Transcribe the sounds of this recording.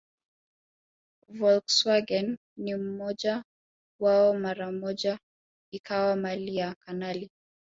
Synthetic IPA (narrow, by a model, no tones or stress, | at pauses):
vɔlkswaɡɛnː | im̩mɔʄa | waɔmaɾamɔʄa | ikawamaliakanali